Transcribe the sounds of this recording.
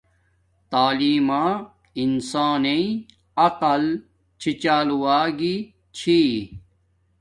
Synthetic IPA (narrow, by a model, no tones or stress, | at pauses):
t̪aːliːmãː | insaːneĩ | ɐqɐl | t͡ɕʰit͡ɕaːluwaːɡi | t͡ɕʰi